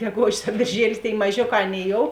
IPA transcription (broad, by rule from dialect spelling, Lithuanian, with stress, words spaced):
ɡʲɛˈɡoːʒʲɪs ɐ bʲeːrʲˈʒʲiɛlʲɪs tʲeːɪ mɐˈʒʲoːˌkɑː ˈɑːˌnʲeːɪ joːʊ